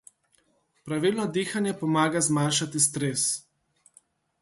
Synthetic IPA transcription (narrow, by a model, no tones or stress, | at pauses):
pɾaʋilnɔd̪iːxanjɛpɔmaːɡazmaːnʃat̪ist̪ɾes